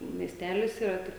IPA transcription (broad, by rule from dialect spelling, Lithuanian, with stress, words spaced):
mʲiɛsʲˈtʲæːlʲɪs iːˈrɐ ˈtʲɪk